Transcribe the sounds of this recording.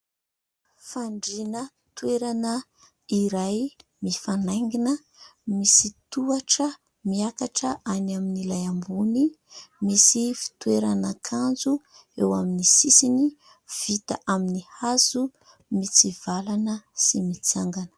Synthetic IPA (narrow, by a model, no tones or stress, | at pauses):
faɳɖ͡ʐinə | t̪weɾanə | iɾajmifanajŋɡinə | misit̪uaʈ͡ʂə | miakaʈ͡ʂəʔanaminilajambuni | misifi̥t̪ueɾanəkʰand͡zu | ewaminisisini | v̥it̪a̰ʔaminihazu | mit͡siv̥alanəsimit͡saŋɡanə̥